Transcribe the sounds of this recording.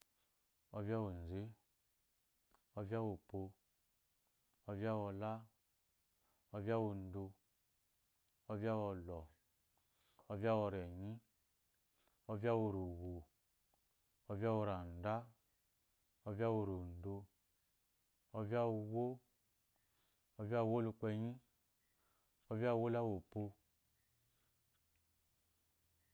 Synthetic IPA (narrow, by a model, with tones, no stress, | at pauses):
ɔ˧vja˦wo˨n̩˨ze˦ | ɔ˦vja˦wo˨po˧ | ɔ˦vja˦wɔ˧la˦ | ɔ˦va˦wo˨n̩˨˦do˧ | ɔ˦vi˦a˦wɔ˧lɔ˨ | ɔ˦vi˦a˦wɔ˧ɾɛ˨ɲĩ˦ | ɔ˧va˦wo˨ɾo˨wo˨ | ɔ˨vja˦wo˧ɾa˨n̩˨da˦ | ɔ˧va˦wo˨ɾo˨n̩˨do˧ | ɔ˧vi˦a˦wu˧wo˦ | ɔ˧vi˦a˦˨wo˦lu˧k͡pɛ˧ɲĩ˦ | ɔ˦vi˦a˦˨wo˦la˦wo˨po˧